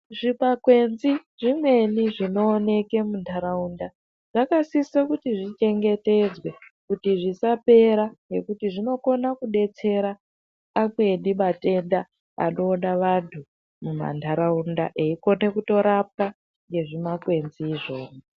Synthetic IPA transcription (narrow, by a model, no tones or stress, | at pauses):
ʐipakwe̞nziʐimwe̞niʐino̞ːne̞ke̞mundʰʱaɾaunda | ʐ̥akasisakutiʐit͡ʃe̞ŋɡe̞te̞d͡zwe̞kutiʐisape̞ɾaŋe̞̰kutiʐino̞ko̞nakuɗe̞t͡se̞ɾaː | mwe̞ɗimate̞nda | a̰no̞ːnaʋantʰu | muma̰ntʰaɾaundaʔeiko̞ne̞kuto̞ɾap̚a | ŋɡe̞ʐimakwe̞nziːʐo̞ːno